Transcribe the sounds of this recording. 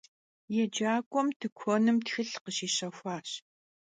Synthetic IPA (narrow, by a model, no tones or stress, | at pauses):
jɛd͡ʒaːkʷʼɔmtʰɨkʷʰɔnɨmtxɨɬqəɕiːɕɐxʷaːɕ